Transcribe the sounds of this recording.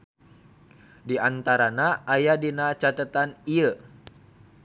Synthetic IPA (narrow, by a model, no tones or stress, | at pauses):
diant̪aɾanaːjadinat͡ʃat̪ət̪aniə